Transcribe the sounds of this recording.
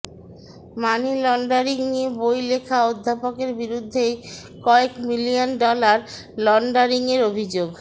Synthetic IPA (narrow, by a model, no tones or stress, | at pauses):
manilɔɳɖaɾiŋniebojlekʰaod̪ʱːapokeɾbiɾud̪ʱːe | kɔekmilijonɖɔlaɾ | lɔɳɖaɾiŋeɾobʱid͡ʑoɡ